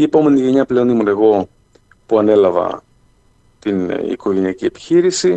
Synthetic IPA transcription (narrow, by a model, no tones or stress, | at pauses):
ie̞po̞me̞niʝe̞ɲɐple̞o̞nimune̞ɣo̞ | puɐne̞lɐvɐ̰ | t̪inḭko̞ʝe̞niɐcie̞pi̥çiɾisi